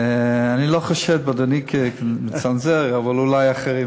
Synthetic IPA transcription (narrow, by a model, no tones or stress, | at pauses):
eaniloχoʃɛvtbad̪onikʰemet͡sanzeʁavalulajaχeʁi